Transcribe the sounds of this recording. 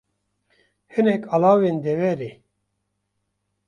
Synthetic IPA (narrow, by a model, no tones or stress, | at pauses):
hɨnɛkʰalaːwend̪ɛvɛɾe